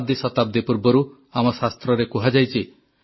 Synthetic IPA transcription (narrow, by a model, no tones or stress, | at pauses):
b̚d̪isɔt̪ab̚d̪ipuɾbɔɾu | amɔsast̪ɾɔɾekuɦad͡ʒajt͡ʃʰi